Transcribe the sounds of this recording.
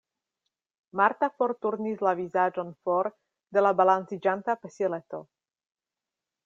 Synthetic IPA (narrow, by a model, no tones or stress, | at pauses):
maɾt̪afoɾt̪uɾnislavizad͡ʒo̞nfoɾ | d̪e̞labalant͡sid͡ʒant̪apeselet̪o̞̰